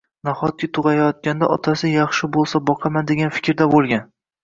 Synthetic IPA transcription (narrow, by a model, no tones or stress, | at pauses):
naχɒt̪̚kʲɪt̪ʰʊʁɑjajɒt̪̚kʲand̪aʔɒt̪ʰasɪjɑχʃɪbolˠsabɒqʰɑmand̪e̞ɡʲanfɪ̥kʲɾd̪abolˠɡʲan